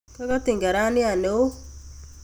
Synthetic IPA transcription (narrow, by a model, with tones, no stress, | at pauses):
ka˦ka˦t̪ɪ˨ŋɡa˨ɾa˦nɪ˦a˨ne˨o˦